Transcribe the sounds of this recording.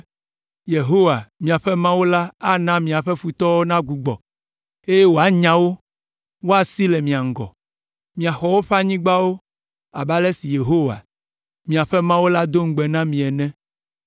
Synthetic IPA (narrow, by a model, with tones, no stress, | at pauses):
je˨ɦo˦wa˨mĩ˨a˨ɸɛ˦mã˦wo˦la˦a˦nã˦mĩ˨a˨ɸɛ˦fu˨t̪ɔ˦wo˦nã˦ɡu˨ɡ͡bɔ̰˨ | e˦je˦wo˨a˦ɲã˦wo˦ | wo˦a˨si˦lɛ˨mĩ˨a˨ŋ̩˨ɡɔ̰˨ | mĩ˨a˨xɔ˦wo˦ɸa˦ɲĩ˦ɡ͡ba˦wo˦ | a˨ba˦lɛ˦si˨je˨ɦo˦wa̰˨ | mĩ˨a˨ɸɛ˦mã˦wo˦la˦d̪o˦ŋ̩˦ɡ͡bɛ˨nã˦mĩ˨ɛ˨nɛ̃˦